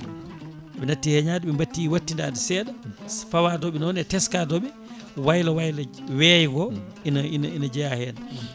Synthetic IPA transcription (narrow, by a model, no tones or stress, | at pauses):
ɛɓɛnatːihɛɲaːdɛɓɛmbatːiwatːindaːdɛsɛːdafawaːdɔɓinɔnɛtɛskadɔɓɛ | wajlawajlawɛːjiɡɔ | inaininad͡ʒɛjahɛːna